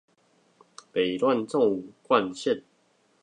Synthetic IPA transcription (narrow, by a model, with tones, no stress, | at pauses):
pe˨˩lwa˥˨nt͡sɔ˥˨ŋu˨˩kwa˥˨nɕɛ˥˨t̚